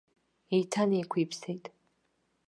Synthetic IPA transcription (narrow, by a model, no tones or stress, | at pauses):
ejtʰanekʷʰiːpʰsejtʼ